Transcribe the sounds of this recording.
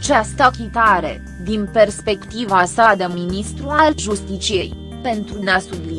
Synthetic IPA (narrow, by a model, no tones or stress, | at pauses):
t͡ʃast̪əkʲit̪aɾe̞̰ | d̪inpe̞rspe̞kt̪ivasad̪eminist̪ɾualʒust̪it͡ʃije̞j | pe̞nt̪ɾuneasubli